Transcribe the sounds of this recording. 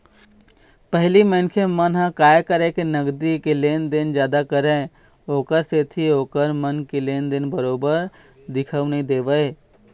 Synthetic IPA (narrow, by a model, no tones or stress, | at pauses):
pəɦlimə̃nkʰemənɦãkaːjkəɾekenəɡd̪ikeleːnd̪ɪnd͡ʒjaːd̪akəɾẽ | oːkəɾseːt̪ʰioːkəɾmənkeleːnd̪ɪnbəɾoːbəɾ | d̪ɪkʰəwnəɦĩd̪eːʋəe